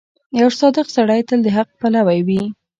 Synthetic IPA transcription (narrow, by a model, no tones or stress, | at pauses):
jawsɑd̪əqsaɽajt̪əld̪əɦaq̚palawajwi